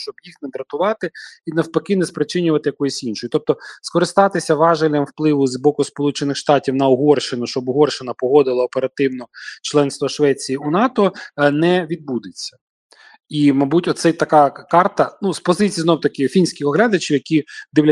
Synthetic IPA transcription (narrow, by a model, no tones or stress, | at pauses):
t͡ʃɔbjixnɛd̪ɾɐt̪ʊʋɑt̪ɪinɐwpɐkɪnɛspɾɪt͡ʃɪnʲʊʋɐt̪ɪjɐkɔjʊsʲinʃɔjʊt̪ɔp̚t̪ɔskɔɾɪst̪ɑt̪ɪsʲɐʋɑʒɐlʲːɐmwplˠɪʋʊzbɔkʊspɔlˠut͡ʃenɪxʃt̪ɑtʲiwnɐʊɦɔrʃɪnʊʃt͡ʃɔbʊɦɔrʃɪnɐpɔɦɔd̪ɪlˠɐɔpeɾɐt̪ɪwnɔt͡ʃlˠɛnst̪ʋɐʃʋɛt͡sʲijiunɑt̪ɔnɛʋʲid̪̚bud̪ɪt͡sʲːɐ̥ | imɐbutʲɔt̪sɛt̪ɐkɑkɑrt̪ɐnuspɔzɪt͡sʲijznɔwt̪ɐkʲɪfʲinʲsʲkʲɪxɔɦlʲad̪ɐt͡ʃʲiwjɐkʲid̪ɪwlʲɐ